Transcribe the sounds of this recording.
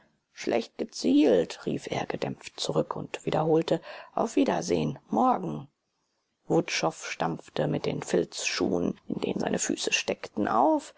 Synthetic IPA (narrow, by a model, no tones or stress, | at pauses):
ʃlʔɛ̰çt̚ɡ̥ət͡siːltʁḭːfʔḛːɐɡədɛmp͡ftt͡suʁʏkʰʊntv̥iːdɐɦoːltəʔaʊfv̥iːdɐzḛːənmɔɐɡŋ̩ | vʊtʃɔfʃtamftəmɪt̚d̥eːnfɪlt͡sʃṵːənɪndḛːnənza̰ɪnəfy̰ːsəʃtɛktn̩ʔa̰ʊf